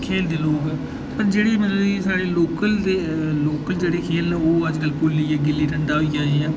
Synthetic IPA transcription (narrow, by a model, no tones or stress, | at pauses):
kʰeːld̪eːloːkɛː | pəɾd͡ʒeːɽeːmənũːd͡ʒisaːɽeːloːkəld̪eːloːkəld͡ʒeːɽeːkʰeːlɛ̃ːoːəd͡ʒkəlpʊɾliːeːɡɪlːiːʈə̃nd̪aːɦoiːd͡ʒaːeãː